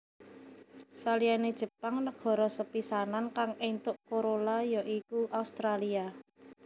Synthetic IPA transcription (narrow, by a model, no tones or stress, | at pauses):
salianed̥ʒ̥ə̤paŋnəɡ̥ɔ̤ɾɔsəpisanankaŋent̪ʊʔkoɾolajɔʔikuʔaust̪ɾalia